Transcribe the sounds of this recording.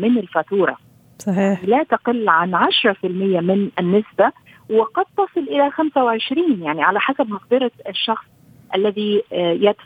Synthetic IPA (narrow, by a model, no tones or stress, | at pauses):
mɪnɪlfat̪uːɾˤɑ̰ | sˤɑjanilaːt̪aqɪlːʕanʕaʃɾˤɑfɪlmɪjːamɪnʔɪnːɪsba | wɪqɑd̪̚t̪ːɑsˤɨlʔɪlaxamsawɪʕɪʃɾiːnjaʕniʕalaħasab̚mɑqd̪ɑɾˤɑɪʃːɑxsˤ | ʔalːaðijat̪